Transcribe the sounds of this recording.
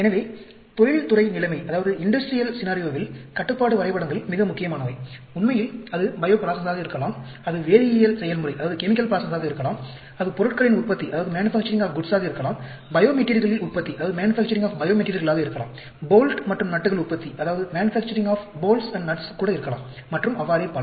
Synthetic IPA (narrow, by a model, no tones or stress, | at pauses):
ɛnɐʋeː | t̪ɔɻɪɻt̪ʊrɐɪnɪlɐɪmɐɪʔɐðaːʋɐðɯɪɳɖɐsʈɾɪjɐlsɪnaːɾɪjoːʋɪlkɐʈːɯpːaːɽɯʋɐɾɐɪpɐɽɐŋɡɐɭmɪɣɐmʊkːɪjɐmaːnɐʋɐɪ | ʊnmɐjɪlɐðɯbɐjoːpɾaːsɐnd̪aːɣɐɪɾɯkːɐlaːm | ɐðɯʋeːɾɪjɐjɐlsɛjːɐlmʊɽiɐðaːʋɐðɯkɛmɪkːɐlpɾaːsɐnd̪aːɣɐɪɾɯkːɐlaːm | ɐðɯpɔɾɯʈkɾɐɪnʊrpːɐt̪ːiɐðaːʋɐðɯmaːnɪfaːk̚t͡ʃɐɾɪŋɡaːfɡʊɖsaːɣɐɪɾkːɐlaːm | bɐjoːmɛʈːɪɾɣɐɭɪlʊrpɐt̪ːiɐðaːʋɐðɯmaːnɪfæːk̚t͡ʃɐɾɪ̃ŋɡaːfbɐjoːmɛʈːɪɾiɣɐɭaːɣɐɪɾɯkːɐla̰ːm | boːlʈmɐʈrɯmnɐʈːɯɣɐɭʊrpːɐt̪ːiʔɐðaːʋɐðɯmaːnɪfæːk̚t͡ʃɐɾɪ̃ŋɡaːfboːlsɐɳɖnɐʈskːuːɽɐɪɾɯkːɐla̰ːmːɐʈrɯmɐʋaːɾɪjpːaːl